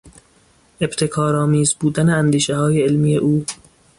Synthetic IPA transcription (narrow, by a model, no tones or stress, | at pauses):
ʔe̞bt̪ʰe̞kʰɒːɾɒːmiːzbuːd̪æneænd̪iːʃehɒːjeelmiːje̞ʔuː